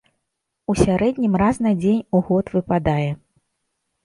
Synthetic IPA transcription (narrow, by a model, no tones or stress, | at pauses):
usʲaɾɛd̪ʲnʲimraznad͡zʲenʲuɣɔt̪vɨpad̪ajɛ